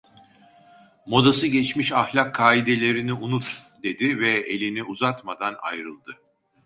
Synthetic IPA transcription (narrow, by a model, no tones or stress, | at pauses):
mo̞d̪asɯɟɛt͡ʃmiʃahlʲakʰːaːid̪e̞lʲe̞ɾiniunut̪d̪e̞d̪ivɛelʲiniʔuzat̪mad̪ana̰jɾɯlˠd̪ɯ